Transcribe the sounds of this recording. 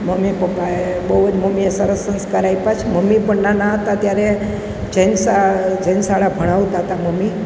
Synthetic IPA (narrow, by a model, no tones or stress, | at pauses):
məmipəpːae | bəʋd͡ʒməmiesəɾəsːənskəɾaipat͡ʃʰməmːipəɳnanaɦət̪at̪jaɾe | d͡ʒənsad͡ʒənsaɭabʱəɽ̃aʋt̪aɦət̪aməmːi